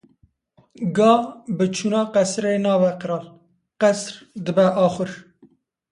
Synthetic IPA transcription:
ɡɑːbɨt͡ʃʰunɑːqɛsɾeːnɑːvɛqɨɾɑːl | qɛsɾd̪əbɛʔɑːxɨɾ

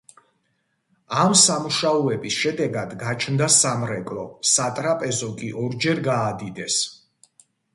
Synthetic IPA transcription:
amsamuʃaɔɛbisʃɛd̪ɛɡad̪ɡat͡ʃʰnd̪asamɾɛkʼlɔsat̪ʼɾapʼɛzɔkʼiʔɔɾd͡ʒɛɾɡaːd̪id̪ɛs

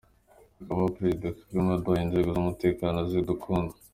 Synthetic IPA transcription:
akaβapɾezidaki̥ɾimadaind͡ʒieɡozumute̞ːkanozidukʰuːndu

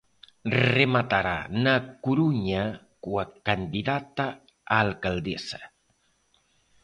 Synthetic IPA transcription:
remat̪aɾa̰nakuɾuɲa | kuəkand̪iðat̪a | aːlˠkalˠd̪esə̥

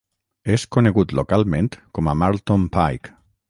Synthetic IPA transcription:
eskoneɣut̪lokalˠmẽnt̪komamaɾt̪ompajk

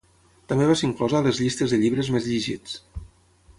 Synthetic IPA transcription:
t̪ambeβasiŋklɔzaːləzʎist̪əzðəʎiβɾəzmezʎiʒḭt͡s

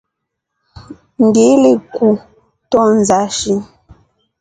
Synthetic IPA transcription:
ŋ̩ɡeleku | tɔnzaʃin

